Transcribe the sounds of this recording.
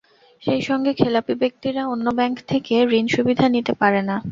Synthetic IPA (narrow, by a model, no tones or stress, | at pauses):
ʃejʃɔŋɡekʰelapibek̚t̪iɾaonːobɛŋkt̪ʰekeɾinʃubid̪ʱanit̪epaɾena